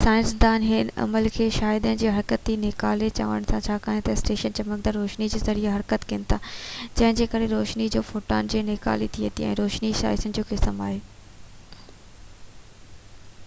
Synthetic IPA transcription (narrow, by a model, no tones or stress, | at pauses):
saːɪ̃nsd̪aːnɦɪnɐ̰məlkʰeːʃaːjɪd̪ənɪ̆d͡ʑeːɦɐɾkət̪ːinekaːlet͡ɕa̰ːʋə̰ɽəɽ̃sãt͡ɕʰaːkaːɦẽt̪ɐɪsʈeːʃənt͡ɕɐmək̚d̪aɾɾoːʃnid͡ʑeːzɐɾiaɦɐɾkət̪kɪ̃ːnɪt̪ʰaːd͡ʑɐ̃ɦɪ̃d͡ʑeːkɐɾeɾoːʃnid͡ʑoːfoːʈa̰ːnd͡ʑeːneːka̰ːlit̪ʰiət̪iɛ̰̃ːɾoːʃniʃa̰ːɪsənɪ̆d͡ʑoːkɪsəma̰ːɦeː